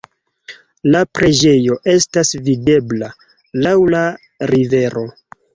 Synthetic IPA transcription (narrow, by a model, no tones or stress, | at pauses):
lapɾe̞d͡ʒe̞jo̞ʔe̞stasvide̞bla | lawla | ɾive̞ɾo̞